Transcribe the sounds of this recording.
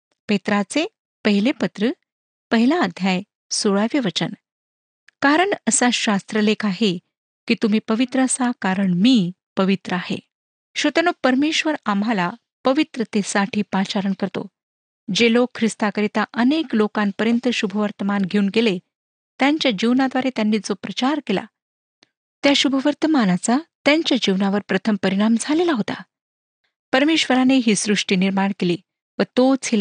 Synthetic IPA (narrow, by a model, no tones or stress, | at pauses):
pet̪ɾat͡se | pəɦilepət̪ɾə | pəɦilãːd̪ʱjaj | soɭaʋeʋət͡ɕən | kaɾəɳəsaɕast̪ɾəlekʰaɦe | kiːt̪um̤iːpəʋit̪ɾəsakaɾəɳmiːpəʋit̪ɾəahḛ | ɕot̪ənopəɾmeɕʋəɾamɦala | pəʋit̪ɾət̪esaʈʰiːpat͡ɕaɾəɳkəɾt̪o̰ | d͡ʑelokʰːɾist̪akəɾit̪aʔəneklokanpəɾjənt̪əɕubʱəʋəɾt̪əmanɡʱeuːnɡele | t̪jaɲt͡ɕjad͡ʑiʋnad̪ʋaɾet̪janːiːd͡zopɾət͡ɕaɾkela̰ | t̪jaɕubʱəʋəɾt̪əmanat͡sat̪jaɲt͡ɕjad͡ʑiʋnaʋəɾpɾət̪ʰəmpəɾiɽ̃amd͡zʱalelaɦot̪a̰ | pəɾmeɕʋəɾaneɦiːsɾuʂʈiːniɾmaɳkeliː | ʋət̪ot͡sil